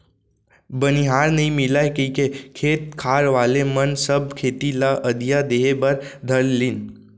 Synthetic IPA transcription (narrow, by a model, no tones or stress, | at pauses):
bəniɦaːɾnəɦĩmɪlaːekə̃kekʰeːt̪̚kʰaːɾʋaːlemənsəb̚kʰeːt̪ilaʔəd̪ijad̪eːɦebəɾd̪ʱəɾlin